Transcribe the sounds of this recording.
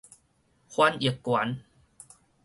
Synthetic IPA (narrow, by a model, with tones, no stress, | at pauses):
kʰwa˧ni˨˩əkːwa˨˦n